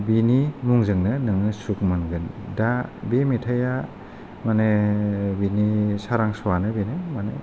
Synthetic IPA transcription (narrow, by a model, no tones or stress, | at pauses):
binimuŋzɯŋnɯnɯŋɯsuk̚mɯnɡɯndabemitʰaja | manebinisaɾaŋsɔwanɯbenɯmanḛ